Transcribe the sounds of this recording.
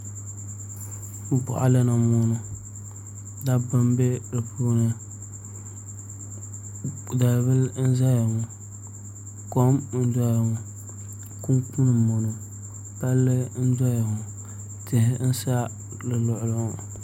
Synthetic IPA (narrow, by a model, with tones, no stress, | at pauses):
m̩˦pʊ̰˨ʔa̰˨lɨ˦na˨mʊ˦nʊ˦ | da˦ba˦mbe˦dɨ˨pu˦nɨ˦ | da˨lbɨ˦ln̩˦za˦ja˨ŋʊ˨ | ko˦mn̩˦dɔ˦ja˨ŋʊ˨ | ku˦ŋku˦nɨ˨mo˨no˨ | pa˦lːɨ˦n̩˦da˦ja˨ŋʊ˨ | tɪ˨hɪ˦n̩˦sa˦ | lɨ˨lʊ˨ʔʊ˨lʊ˦ŋʊ˨